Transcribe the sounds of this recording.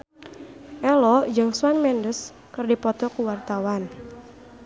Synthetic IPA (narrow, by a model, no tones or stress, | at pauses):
ʔɛlɔd͡ʒəŋswanmɛndəs | kərdipɔt̪ɔkuwart̪awan